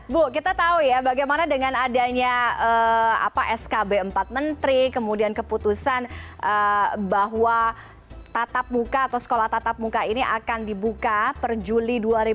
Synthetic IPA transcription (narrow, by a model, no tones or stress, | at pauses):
bʊkit̪at̪aujabaɡajmanadəŋanadaɲaəa̰paʔɛskabeəmpat̪̚mənt̪ɾikəmudiankəput̪usanʔəbaɦwa | t̪at̪ap̚mukaːt̪asə̥kolaht̪at̪ap̚mukainiʔakandibukapərd͡ʒuliduaɾi